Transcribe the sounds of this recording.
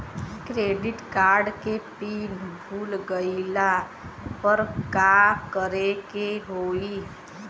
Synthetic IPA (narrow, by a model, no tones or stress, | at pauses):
kɾeːɖɪʈkaːɾɖkepiːnbʱulɡəɪla | pəɾkakəɾekeɦoi